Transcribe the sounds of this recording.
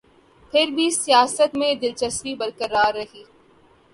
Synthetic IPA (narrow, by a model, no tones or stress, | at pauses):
pʰɪɾbʱisijaːsət̪mẽd̪ɪlt͡ʃəsmibɐɾkəɾaːɾːɐɦiː